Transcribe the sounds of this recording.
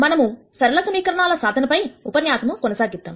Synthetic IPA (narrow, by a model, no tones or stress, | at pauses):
mɐnɐmu | sɐɾɐlɐsɐmiːkɐɾɐɳaːlɐsaːd̪ʱɐnɐpɐjupɐnjaːsɐmukɔnɐsaːɡist̪ːaːm